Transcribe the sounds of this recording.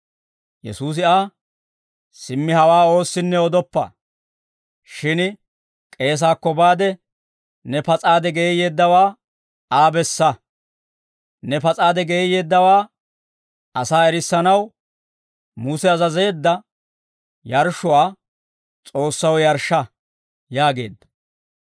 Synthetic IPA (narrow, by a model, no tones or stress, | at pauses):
jɛ̰suːs̬ɪaː | sɪmːɪhɐwaːo̞ːsːɪnːɛɔd̪ɔpːɐ̰ | ʃɪn | kʼe̞ːs̬aːkːɔbaːd̪ɛ | nɛpɐt͡sʼaːd̪ɛɡeːje̞ːd̪ːɐwaː | aːbɛsːɐ | nɛpɐt͡sʼaːd̪ɛɡeːje̞ːd̪ːɐwaː | ɐsaːɛɾɪsːɐnɐw | mʊsɛɐzɐze̞ːd̪ːɐ | jɐɾʃʊwaː | t͡sʼo̞ːsːɐwjɐɾʃɐ | jaːɡe̞̰ːd̪ːɐ̥